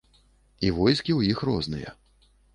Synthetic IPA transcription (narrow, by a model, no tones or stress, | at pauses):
ivɔjskʲiwjixrɔznɨjɐ̰